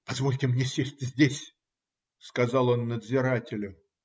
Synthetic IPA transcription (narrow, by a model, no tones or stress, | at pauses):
pɐzvo̞lʲtʲɪmnʲesʲesʲtʲzʲdʲesʲ | skɐzɑlˠo̞nːəd̪zʲɪɾatʲɪlʲʊ